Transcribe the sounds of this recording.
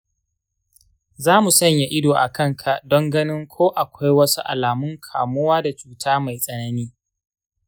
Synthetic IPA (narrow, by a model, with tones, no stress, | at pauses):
zaː˦mu˨sɐ˦˨ɲja˦ʔɪ˦doː˨ʔa˨kɐ˦˨ŋkʰa˨ʔdɔ˦ŋɡɐ˦nɪ˦ŋkʷʰoː˦ʔa˨kʷa˦jwɐ˦su˦ʔa̰˨laː˨mʊ˦ŋkʰaː˨mʊ˦waː˦da˨t͡ʃuː˦tʰaː˦ma˨jsʼɐ˨˦nɐ˦niː˦